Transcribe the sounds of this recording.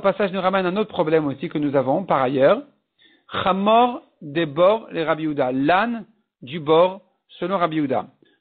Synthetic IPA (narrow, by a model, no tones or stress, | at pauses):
pasaʒnuʁamɛnɛ̃not̪χəpχɔblɛmosikənuzavɔ̃paʁajœːʁ | χamɔʁ | d̪ebɔʁleʁabiud̪alan | d̪ybɔʁ | səlɔ̃ʁabiud̪a̰